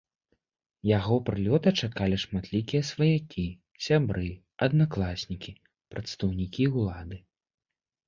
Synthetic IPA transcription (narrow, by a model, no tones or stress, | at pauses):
jaɣɔpɾɨlʲɔt̪ɐt͡ʂakalʲiʂmat̪lʲikʲijɐsvɐjakʲi | sʲabɾɨ | ɐd̪naklˠasʲnʲikʲi | pɾɐt̪st̪ɐwnʲikʲiulˠad̪ɨ